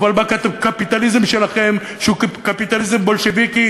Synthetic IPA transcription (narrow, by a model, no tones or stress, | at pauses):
valbakat̪uvkapit̪alizemʃelaχe̞m | ʃeukkapit̪alizembo̞lʃeviki